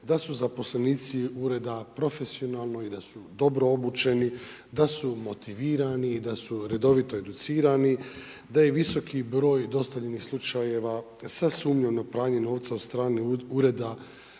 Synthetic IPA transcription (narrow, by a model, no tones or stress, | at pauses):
d̪asuzapo̞sleniːt̪siuɾe̞d̪apɾo̞fe̞sio̞nalˠno̞id̪asud̪o̞bɾo̞obut͡ʃe̞ni | d̪asumo̞t̪iʋiːɾaniːd̪asuɾe̞d̪o̞ʋit̪o̞e̞d̪ut̪siːɾani | d̪ajeʋiso̞kibɾo̞ːjd̪o̞st̪avʎenixslˠut͡ʃaje̞ʋa | sasuːmɲeʋnopɾaːɲeno̞ːʋt̪saod̪st̪ɾaːniuːɾe̞d̪a